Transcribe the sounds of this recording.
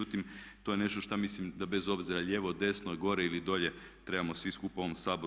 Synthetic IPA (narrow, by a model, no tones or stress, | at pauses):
ut̪imt̪o̞je̞ne̞ʃt̪o̞ʃt̪amislimd̪abe̞zo̞bziɾaʎe̞ʋo̞d̪e̞snoeɡo̞ɾeilid̪o̞ʎe̞ | t̪ɾe̞bamo̞sʋiskupaoʋomsaːbo